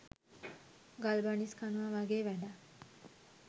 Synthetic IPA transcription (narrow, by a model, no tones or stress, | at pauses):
ɡalbaɳiskanuʋaʋaɡeːʋɛɖa